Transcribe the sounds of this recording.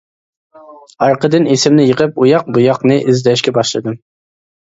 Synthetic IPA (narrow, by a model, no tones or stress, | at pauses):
ɑɾqəd̪ɨnesɪmnɪjəqəp̚ujɑq̚bujɑqnɨʔɪzd̪ɛʃkʲɛbɑʃlˠɨd̪ɨm